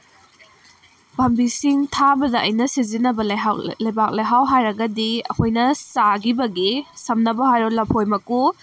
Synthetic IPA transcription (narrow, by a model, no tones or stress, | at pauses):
bʱɐmbisiŋtʰabɐdɐʔɐjnɐsizinɐbɐllɐjbak̚lɐjɦawɦajɾɐɡɐdiɐ̰kʰojnɐsaɡibɐɡisɐmnɐbɐhajɾolɐpʰojmɐku